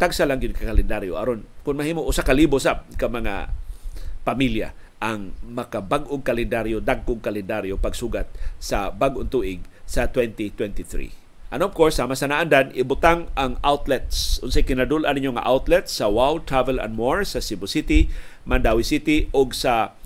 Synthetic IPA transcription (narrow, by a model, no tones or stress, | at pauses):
t̪aɡsalaŋɡɪd̪̚kakalɛnd̪aɾjo̰ʔɐ̰ɾonkʊnmahiːmoʔʊsakaliːbosɐkamɐŋa̰ | pamilja̰ | ʔɐŋmɐkabaɡʔʊŋkalɛnd̪aɾjod̪aɡ̚kʊŋkalɛnd̪aɾjopɐɡsuːɡat̪̚sɐbaɡʔoŋt̪uːʔɪɡ̚sɐt̪wɛnt̪it̪wɛnt̪iθɾḭ | ʔɐnɔv̥koɹsːaːmasɐnaʔand̪anʔɪbʊt̪aŋɐŋʔawt̪lɛt̪̚sʊnsɛjkɪnad̪ulʔanɪɲoŋa̰ʔawt̪lɛt̪sɐwawld̪̚t̪ɹavɛlɐ̰nmoɹsɐsibʊsɪt̪ɪmand̪awisɪt̪ɪʔoɡsɐ